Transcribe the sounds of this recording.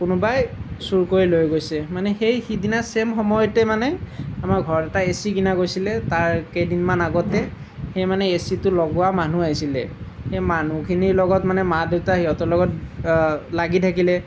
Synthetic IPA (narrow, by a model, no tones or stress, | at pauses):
kʊnubajsuɹkoɹilojɡojsɛmanɛxejxidinasemxɔmɔjɔtɛmanɛamaɹɡʱɔɹɔtɛtaesikinakojsilɛtaɹkejdinmanaɡɔtɛ | xejmanɛesitʊlɔɡʊwaman̤uajsilɛ̰xejman̤ukʰiniɹlɔɡɔtmanɛmadeʊtaɦiɔtɔɹlɔɡɔt̚ | laɡitʰakilɛ